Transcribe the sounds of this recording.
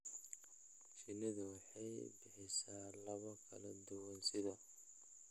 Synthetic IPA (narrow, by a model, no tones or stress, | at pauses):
t͡ʃɪnɪðɐwɑħɑjbɪħɪsaːlɐβɐkʰɐlɐd̪ʊwɐnsɪðɐ